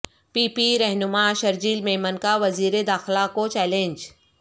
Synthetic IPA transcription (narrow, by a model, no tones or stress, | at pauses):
piːpiɾɛɦnʊmaʃɐɾd͡ʒiːlmẽːmənkaʋɐziːɾed̪aːxɪlakot͡ʃɛːlẽɲd͡ʒ